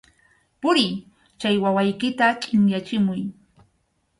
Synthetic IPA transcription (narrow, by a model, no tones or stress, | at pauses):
pʊɾɪ | t͡ʃajwawajkɪt̪at͡ʃʼɪŋjat͡ʃɪmʊj